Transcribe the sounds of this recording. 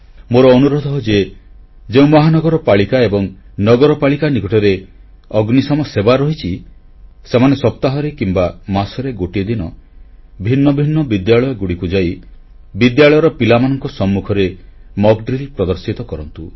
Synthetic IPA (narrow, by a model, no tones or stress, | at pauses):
moɾɔːnuɾɔd̪ʱɔɦɔd͡ʒe | d͡ʒeũmɔɦanɔɡɔɾɔpaɭikaebɔŋnɔɡɔɾɔpaɭikanikɔʈʰɔɾe | ɔɡnisɔmɔsebaɾɔɦit͡ʃʰi | semanesɔp̚t̪aɦɔɾekimbamasɔɾeɡoʈied̪inɔ | bʱinːɔbʱinːɔbid̪jaɭɔjɔɡuɽikud͡ʒai | bid̪jaɭɔjɔɾɔpilamanɔŋkɔsɔmːukʰɔɾemɔɡɖɾilipɾɔd̪ɔɾsit̪ɔkɔɾɔnt̪u